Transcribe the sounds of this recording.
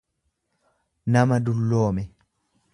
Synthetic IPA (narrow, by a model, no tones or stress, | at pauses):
nɐmɐd̪ʊlːoːmɛ